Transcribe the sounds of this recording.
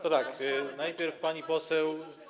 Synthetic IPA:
t̪ɔt̪aknajpʲjɛɾfpaɲipɔsɛw

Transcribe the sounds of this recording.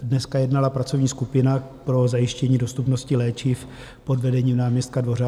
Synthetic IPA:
dnɛskajɛdnalapɾat͡so̞vɲiːskupɪnapɾo̞zajɪʃcɛɲiːdo̞st̪upnoscɪlɛːt͡ʃɪf | po̞dvɛdɛɲiːmnaːmɲɛst̪̚kadvo̞ɾa

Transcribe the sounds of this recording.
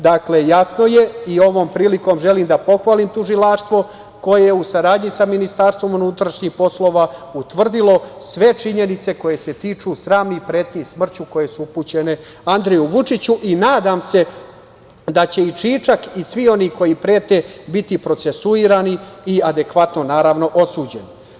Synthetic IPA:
d̪akle̞jasno̞je̞io̞ʋo̞ːmpɾiːliko̞ːmʒe̞liːmd̪apo̞xʋaːliːmt̪uʒilaʂt̪ʋo̞ | ko̞jejeusaɾaːd̪ɲisaminist̪aɾst̪ʋo̞munut̪ɾaʃɲixpo̞slo̞ːʋaut̪ʋr̩d̪ilo̞sʋe̞t͡ʂiɲe̞nit̪se̞ko̞je̞se̞t̪iːt͡ʂusɾaːmnipɾeːt̪ɲismr̩t͡ɕuko̞je̞suupuːt͡ɕe̞ne̞ | and̪ɾejuʋut͡ʂit͡ɕuʔinaːd̪aːmse̞ | d̪at͡ɕe̞it͡ʂiːt͡ʂakisʋio̞niko̞jipɾeːt̪e̞bit̪ipɾo̞t̪se̞suiːɾaːniiad̪e̞kʋat̪no̞naːɾaʋno̞ʔosuːd͡ʑe̞ni

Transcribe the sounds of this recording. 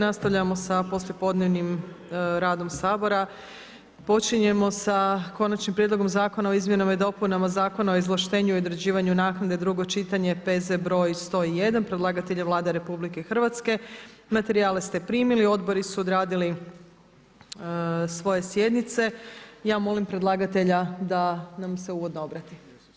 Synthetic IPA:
nast̪aʋʎamo̞sapo̞slʲje̞po̞d̪ne̞ʋnim | ɾaːd̪o̞msaːbo̞ɾa | po̞t͡ʃiɲe̞mo̞sako̞nat͡ʃnimpɾjed̪lo̞ɡo̞mzaːko̞nao̞izmje̞namaid̪o̞punamazaːko̞naoizlˠaʃt̪e̞ːɲuiod̪ɾed͡ʑiːʋaɲunaːknad̪ed̪ɾuɡo̞t͡ʃit̪aɲe̞pe̞zebɾo̞jst̪o̞ːije̞d̪anpɾedlˠaːɡat̪e̞ʎeʋlˠaːd̪eɾe̞publikexr̩ʋat̪ske̞ | mat̪e̞ɾiaːlest̪e̞pɾiːmilio̞d̪bo̞ɾisuod̪ɾaːd̪ili | sʋo̞je̞sje̞d̪nit̪se̞jaːmo̞limpɾe̞d̪lˠaːɡat̪e̞ʎad̪anamse̞uʋo̞d̪noobɾat̪i

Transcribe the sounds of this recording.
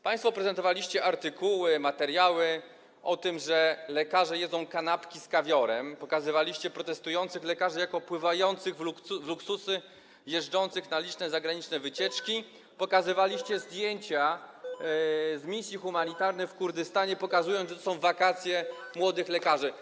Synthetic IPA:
paj̃st̪fɔpɾɛzɛnt̪ɔvalʲiɕt͡ɕɛʔaɾt̪ɘkuwɘmat̪ɛɾjawɘ | ʔɔt̪ɘmʐɛlɛkaʐɛjɛd̪zɔ̃w̃kanapkʲiskavʲjɔɾɛmpɔkazɘvalʲiɕt͡ɕɛpɾɔt̪ɛst̪ujɔnt̪sɘxlɛkaʐɘjakɔpwɘvajɔnt̪sɘɣvluvluksusɘ | jɛʐɖɔnt̪sɘxnalʲit͡ʂnɛzaɡɾaɲit͡ʂnɛvɘt͡ɕɛt͡ʂkʲi | pɔkazɘvalʲiɕt͡ɕɛzd̪ʲjeɲt͡ɕa | zmʲisʲjixumaɲit̪aɾnɛfkuɾd̪ɘst̪aɲɛpɔkazujɔnzʐɛt̪ɔsɔ̃w̃vakat̪sʲjɛmwɔd̪ɘxlɛkaʐɘ

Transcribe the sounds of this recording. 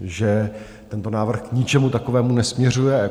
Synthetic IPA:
ʒɛ | t̪ɛnt̪onaːvr̩xkɲɪt͡ʃɛmut̪akovɛːmunɛsmɲɛr̝ujɛ

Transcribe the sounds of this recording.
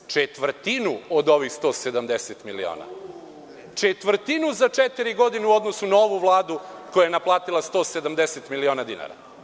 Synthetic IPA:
t͡ʂet̪ʋr̩t̪inuod̪o̞ʋixst̪o̞ːsed̪amd̪eset̪milḭo̰ːna̰ | t͡ʃet̪ʋr̩t̪inuzat͡ʃet̪iɾiɡo̞d̪ineuo̞d̪nosunaoʋuʋlˠaːd̪ukojajenaplˠaːt̪ilˠast̪oːsed̪amd̪eset̪milio̞ːnad̪ina̰ɾa̰

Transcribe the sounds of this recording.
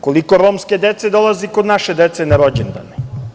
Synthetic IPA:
ko̞liko̞ɾoːmske̞d̪et̪sed̪o̞lˠazekod̪naʃed̪et̪se̞naɾo̞d͡ʑend̪a̰ne

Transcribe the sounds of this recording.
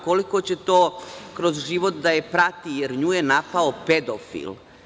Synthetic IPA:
ko̞liko̞t͡ɕe̞t̪oːkɾo̞zʒiʋo̞t̪d̪aje̞pɾat̪ijeɾɲuːjenapaope̞d̪ofḭl

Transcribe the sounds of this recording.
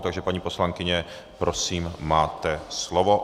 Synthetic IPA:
t̪aɡʒɛpaɲiːpo̞slaŋkɪɲɛ | pɾo̞siːmmaːt̪ɛslovo

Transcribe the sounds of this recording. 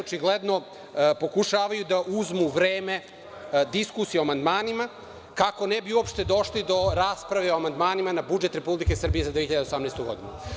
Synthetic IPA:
ot͡ʃiɡled̪no̞ | po̞kuʃaːʋajud̪aʔuzmuʋɾeːme̞ | d̪iskusieoamand̪maːnima | kako̞nɛbiuopʃt̪e̞d̪o̞ʃlid̪o̞ɾaːspɾaʋeoamand̪maːnimanabud͡ʒe̞t̪ɾe̞publike̞sr̩bijezad̪ʋeiʎad̪eosamnest̪oɡo̞d̪inṵ

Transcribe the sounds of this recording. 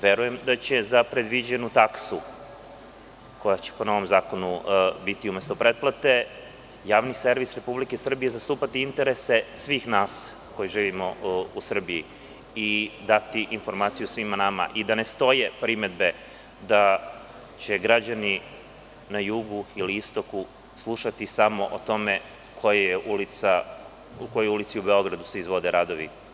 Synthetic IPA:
ʋe̞ɾuje̞md̪at͡ɕe̞zapɾe̞d̪ʋid͡ʑenut̪aksu | ko̞jat͡ɕe̥po̞no̞ʋo̞mzaːko̞nubit̪iume̞st̪o̞pɾe̞t̪̚plˠat̪e̞ | jaːʋnise̞ɾʋisɾe̞publikesr̩bije̞zast̪uːpat̪iint̪e̞ɾe̞se̞sʋiːxnaːs | ko̞jiʒiːʋimo̞usr̩biji | id̪at̪iʔinfo̞ɾmaːt̪sijusʋimanama̰ʔid̪ane̞st̪o̞je̞pɾime̞d̪be̞ | d̪a | t͡ɕe̞ɡɾad͡ʑani | najuɡuiliist̪o̞ku | slˠuʃat̪isamo̞ʔot̪o̞me̞ | kʰojejeʔulit̪sa | ukojoulit̪siubeo̞ɡɾad̪useizʋo̞d̪eɾad̪o̞ʋḭ

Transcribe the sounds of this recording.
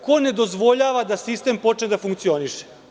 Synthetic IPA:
kone̞d̪o̞zʋo̞ʎaːʋad̪asist̪e̞mpo̞t͡ʂned̪afuŋkt̪sio̞niʃe̥

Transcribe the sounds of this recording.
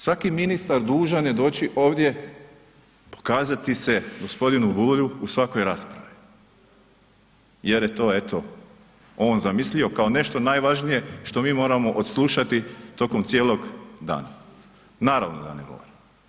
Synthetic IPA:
sʋakiminist̪aɾd̪uːʒanjed̪o̞ːt͡ɕiʔo̞ːʋd̪ʲje̞ | po̥kaːzat̪iseɡo̞spo̞d̪inubuʎuusʋako̞jɾaːspɾaʋi | je̞ɾjet̪o̞ːe̞t̪o̞ | o̞ːnzamislio̞kaone̞ʃt̪o̞naːjʋaʒnije̞ʃt̪o̞miːmo̞ːɾamo̞ʔod̪slˠuːʃat̪it̪o̞ko̞mt̪sje̞ːlˠo̞ɡd̪a̰ːna | naːɾa̰ʋnod̪a̰neɡo̞̰ʋo̰ɾim

